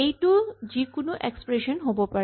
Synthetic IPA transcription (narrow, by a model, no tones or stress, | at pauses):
ejʈud͡ʑikonoʔekspɾeʃonɦobopa